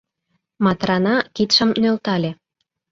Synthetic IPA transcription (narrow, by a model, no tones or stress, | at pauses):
mɑt̪rɑnɑkit̪ʃə̆mnølt̪ɑlʲe